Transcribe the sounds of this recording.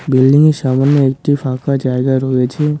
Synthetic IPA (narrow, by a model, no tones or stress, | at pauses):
bilɖiŋeʃamanjəek̚ʈifʰakad͡ʒaeɡaɾɔet͡ʃʰe